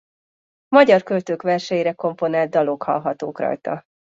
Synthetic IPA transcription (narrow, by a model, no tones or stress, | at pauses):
mɒɟɒrkølt̪øːkʋɛrʃɛjiɾɛko̞mpo̞naːld̪̚d̪ɒlokhɒ̰lɦɒt̪o̰ːkrɒ̰jt̪ɒ̰